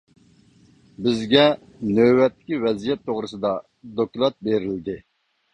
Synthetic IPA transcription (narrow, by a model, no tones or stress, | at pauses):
bɪzɡʲɛ | nøwɛt̪ʰːɪ̥kʲivɛzijɛt̪ʰːoʁɾɨsɨd̪ɑ | d̪okʲlˠɑt̪̚beɾɪld̪ɪ